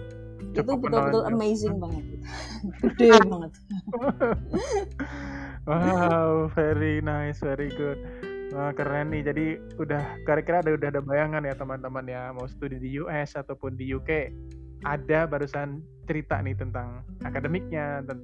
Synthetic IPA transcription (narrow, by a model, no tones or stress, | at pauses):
t͡ʃt̪ubənʊlət̪ʊləmejzɪŋbaŋət̪̚it̪u̥udɛbaŋət̪̚ | wawfeɾinasfeɾiɡʊt̪̚ | wakəɾanːɪhd͡ʒadi | udahkaɾakiɾaːdaudahadabajaŋanjat̪əmant̪əmanjamawsə̥t̪udidijuʔɛsat̪awpʊndijuke | ʔadabaɾusan | t͡ʃəɾit̪a̰nɪht̪ənt̪aŋakadəmɪk̚ɲat̪ən